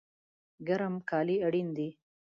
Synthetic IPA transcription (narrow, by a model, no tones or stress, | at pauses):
ɡaɾəmkɑːliaɽind̪i